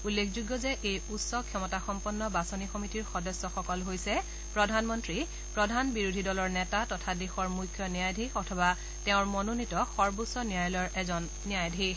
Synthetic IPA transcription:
ulːekʰzuɡjɔzɛʔejutsɔkʰɔmɔtaxɔmpɔnːɔbasɔnixɔmitiɹxɔdɔsːɔxɔkɔlɦojsɛ | pɹɔdʱanmɔntɹi | pɹɔdʱanbiɹudʱidɔlɔɹnɛtatɔtʰadexɔɹmujkʰjɔniajdʱixɔtʰɔba | tɛʊ̃ɹmɔnonitɔxɔɹbusɔnijajlɔɹɛzɔnːiajdʱi

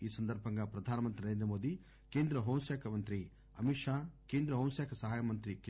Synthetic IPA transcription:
iːsɐnd̪ɐɾpɐŋɡɐpɾɐd̪ʱaːnɐmɐnt̪iɐɾeːnd̪ɾɐmoːd̪i | keːnd̪ɾɐɦɐw̃sjaːkʰɐmɐnt̪ɾi | ɐmiʂaːkeːnd̪ɾɐɦɐw̃sjaːkʰɐsɐɦaːjɐmɐnt̪ɾik

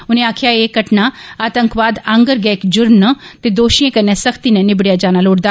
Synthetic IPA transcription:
ʊnẽaːkʰijaeːkəʈnaaːt̪ə̃ŋkʋaːd̪ə̃ŋɡəɾɡɛːkd͡ʒʊɾnət̪ed̪oːʃijẽkɐnːɛsɐkʰt̪inɛ̃nɪbɽijad͡ʒaːnaloːʈd̪aː

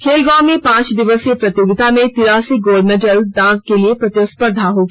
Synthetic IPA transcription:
kʰeːlɡãːmːẽpãːt͡ʃd̪ɪʋəskepɾɐt̪joːɡɪt̪amẽt̪ɪɾaːsiɡoːlɖmeːʈəldãːɡkeliepɾɐt̪jospəɾd̪ʱaɦoːɡi

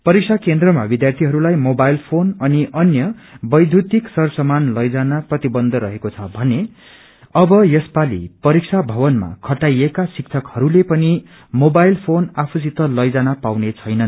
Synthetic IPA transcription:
pʌɾik̚sʰakend̪rʌma̰bid̪jart̪ʰiɦʌɾulajmobajilpʰonʌniʔʌnjʌbʌjd̪ʱut̪iksʌrsʌmanlʌjd͡zanaprʌt̪ibʌnd̪ʱʌɾʌɦekot͡sʰʌbʱʌne | ʌbʌjʌspalḭpʌɾik̚sʰabʱʌbʌnma̰kʰʌʈajekasik̚t͡sʰʌkhʌɾulepʌni | mobajlpʰonapʰusit̪ʌlʌjd͡zanapawnet͡sʰʌjnʌn

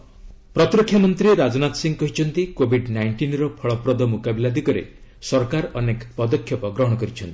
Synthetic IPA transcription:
pɾɔt̪ɾɔkʰjamɔnt̪ɾeɾad͡ʒɔnat̪ɔsiŋkɔɦit͡ʃʰɔnt̪ikobʱiɖnajɳʈinɾɔpʰɔɭɔpɾɔd̪ɔmukabilad̪ikɔɾḛsɔɾkaɾɔnekpɔd̪ɔkʰːjɔpɔɡɾɔɦɔɽ̃ɔkɔɾit͡ʃʰɔnt̪i̥

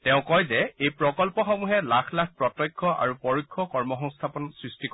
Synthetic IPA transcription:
tɛʊ̃kɔjzɛejpɹɔkɔlpɔxɔmuɦɛlakʰlakʰpɹɔtɔjkʰːɔʔa̰ɹupɔɹukʰːɔkɔɹmɔxɔŋst̪ʰapɔnsɹistikɔ

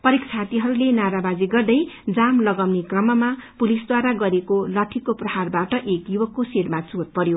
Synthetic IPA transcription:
pʌɾekt͡sʰat̪iɦʌɾulenaɾabad͡ziɡʌrd̪ʌjd͡zamlʌɡʌwnekrʌmʌmapulisd̪waɾaɡʌɾekolʌʈʰːikoprʌɦarbaʈʌʔekjubʌkːosiɾmat͡sot̪̚pʌɾjo

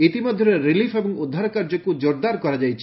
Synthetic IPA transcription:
it̪imɔd̪ʱjɔɾeɾilifʰebɔŋud̪ʱːaɾɔkaɾd͡ʒɔkud͡ʒoɾd̪aɾkɔɾad͡ʒajt͡ʃʰi

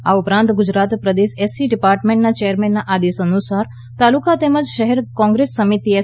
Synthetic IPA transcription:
a̰upɾãnt̪ɡʊd͡ʒɾat̪pɾəd̪eʃesiɖipaɾʈmẽɳʈnat͡ʃejəɾmenːaʔad̪esənusaɾ | t̪alukat̪eməd͡ʒʃəɦɛɾkɔ̃ŋɡɾesːəmit̪ie

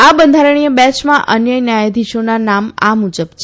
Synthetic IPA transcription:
abənd̪ʱaɾəɳ̃ijəbɛt͡ʃmãʔənjənjajed̪ʱiʃonanama̰mud͡ʒəbt͡ʃʰe

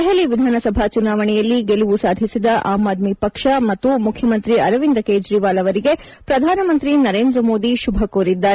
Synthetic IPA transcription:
ɦeliʋid̪ʱaːnɐsɐbʱaːt͡ʃunaːʋɐɳɛjɐlːiɡeluʋusaːd̪ʱisid̪ɐʔaːmaːd̪mipɐkʂɐmɐt̪ːumukʰjɐmɐnt̪ɾiɐɾɐʋind̪ɐkeːd͡ʒɾiːʋaːlɐʋɐɾiɡe̞ | pɾɐd̪ʱaːnɐmɐnt̪ɾinɐɾeːnd̪ɾɐmoːd̪iʃubʱɐkoːɾid̪ːaːɾ

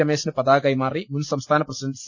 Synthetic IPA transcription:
ɐmeːsnɨpɐd̪aːɡɐjmaːɾimunsɐmst̪ʰaːnɐpɾɐsiɖɐɳʈs

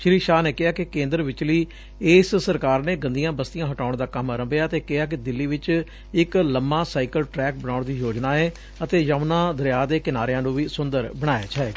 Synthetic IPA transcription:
ʃɾiːʃaːneːkɪɦaːkɪkẽːnd̪əɾʋɪt͡ʃliː | eːssəɾkaːɾneːɡə̃nd̪ijãːbəst̪ɪjãːɦəʈaːʊɳd̪aːkəmɾəmbejaːt̪eːkɪɦaːk̬ɪd̪ɪlːiːʋɪt͡ʃ | ɪkləmːaːsaːikəlʈɾɛːk̚bəɽaːɳd̪iːjoːd͡ʒnaːɛː | ət̪eːjaʊnãːd̪əɾjaːd̪eːkɪnaːɾeãːnũːʋiːsʊnd̪əɾbəɽ̃aːjaːt͡ʃʰaeː

